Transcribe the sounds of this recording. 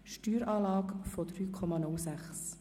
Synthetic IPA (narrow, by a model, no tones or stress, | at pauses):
ʃtyːɾɑːlɑːkfɔd̪ɾyːkʰɔmɑnʊlsæχs